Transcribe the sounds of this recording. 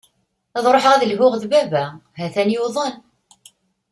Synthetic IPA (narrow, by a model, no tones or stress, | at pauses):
ɑðˤɾˤoħʁæðəlɦʊʁðbævæɦæθænjuðˤən